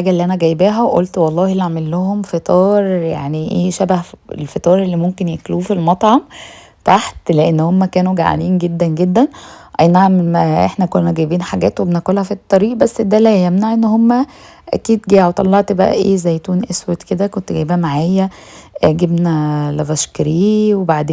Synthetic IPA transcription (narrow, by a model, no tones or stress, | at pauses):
ħaːɡæʔlːiːʔænæɡæjbæɦæwʔolt̪wɑlˤːɑːhilːiʕamelːohomfet̪ˤɑːɾˤja̰ʕniʔeːʃæbæhḛlfet̪ˤɑːɾˤelːiːmomkenjekluːfilmɑt̪ˤʕɑm | t̪aħt̪leʔenːhomːækæːnuɡa̰ʕ̰liːnɡed̪ːænɡed̪ːænʔæjnaʕmemæʔeħnækoːnæɡæjbiːnħaɡæːt̪webenæxolhæfit̪ˤːɑɾiːʔbæsːd̪ælæjæmnaʕʔenːhomːæ | ʔæ̰kiːd̪ɡæjʕot̪ˤɑlːɑʕt̪bæʔæ̰ʔḛːzæjːt̪uːnʔeswet̪ked̪ækont̪ɡæjbææmaʕaːjæʔɡebnælævæʃkɾiːwebaʕd̪eː